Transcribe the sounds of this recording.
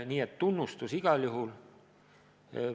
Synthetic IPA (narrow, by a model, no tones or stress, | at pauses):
niːet̪ːunːust̪usiɡ̥ɑljuɦul